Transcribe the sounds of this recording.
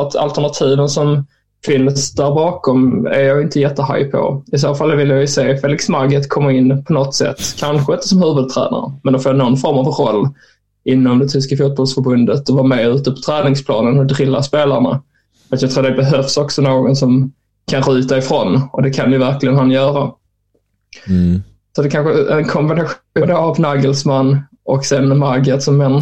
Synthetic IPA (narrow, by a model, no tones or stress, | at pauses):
at̪a̰lt̪æɳat̪ʰiːvənsɔm | fɪnːsd̪æɾbɑːkɔmæ̰ɾjɑːɡɪnt̪əjɛt̪ːəha̰jpʰɔ̰ɪs̬oːfalːvɪlːjajʏseːfeːlɪksmaɾɡət̪kʰɔmːəɾɪnːpʰɔnɔt̪sɛ̰t̪ːkʰanɧəɪnt̪ə̥sɔmhʉ̟ːvɵd̪̚t̪ʰɾæ̰ːna̰ɾə̰mɛnd̪ɛfoːnɔnfɔɾmavɾɔlː | ɪnːɔmd̪ɛt̪ʰʏskafuːt̪̚bɔlsfœɾbɵnd̪ət̪ɔvɑːɾmɛʉ̟ːt̪əpʰɔ̥t̪ʰɾɛːnɪŋspʰlɑ̰ːnənhɔdɾɪlːaspeːlaɾɳa̰ | fɾat̪jɑɡt̪ʰɾuːd̪ɛbɛɦœfsɔksɔnoːɡɔnsɔm | kʰanɾʉ̟ːt̪aɪfɾɔnʔɔd̪ɛkʰanjɪvæɾklɪɡənɦanjœːɾa | sɔt̪d̪ɛkʰanɧəɛnkʰɔmbɪnaɧd̪oavnɑːɡəlsmanː | ʔɔksɛnmaɡət̪sɔmːɛn